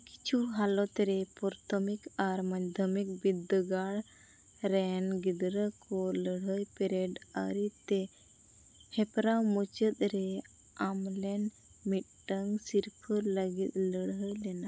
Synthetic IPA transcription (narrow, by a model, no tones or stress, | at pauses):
ki̥t͡ʃʰuɦalɔt̪ɾɛpɔɾt̪ʰɔmikaɾmaɲd̪ʱəmik̚bid̪əɡaɽ | ɾɛnɡid̪ɾəkɔləɽɦəjpɛɾɛɖə̰ɾit̪ɛ | hɛpɾamut͡ʃət̪̚ɾɛ | amlɛn | mit̪̚ʈəŋsiɾpʰələɡit̪̚ləɽɦəjlɛna